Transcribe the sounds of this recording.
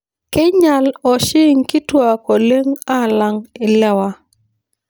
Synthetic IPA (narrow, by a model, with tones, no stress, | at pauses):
kɪ˦ɲa˨lɔ˨ʃɪ˦ŋkɪ˦twa˨kɔ˨le˦ŋa˦˨la˦ŋɪ˨lɛ˦wa˦